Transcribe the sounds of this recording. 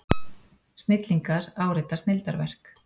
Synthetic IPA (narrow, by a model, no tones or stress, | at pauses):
st̪nɪt̪liŋkaɾaːwɾɪt̪ːast̪nɪlt̪aɾvɛr̥k